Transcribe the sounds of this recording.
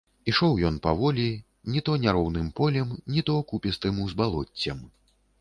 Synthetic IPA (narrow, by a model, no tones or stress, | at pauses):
iʂɔwjɔnpavɔlʲi | nʲit̪ɔnʲaɾɔwnɨmpɔlʲɛmnʲit̪ɔkupʲɛst̪ɨmuzbalˠɔt͡sʲːɐm